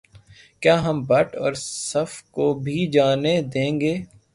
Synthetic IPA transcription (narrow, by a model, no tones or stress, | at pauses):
kjaːɦɐmbɐʈɔ̰ːɾsɐfkobʱid͡ʒaːned̪ẽːŋɡeː